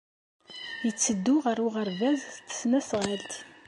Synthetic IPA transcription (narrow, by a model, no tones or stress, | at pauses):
jət͡sːəd̪ːʊʁəɾuʁəɾvæzθt̪ːə̥snæsʁalt̪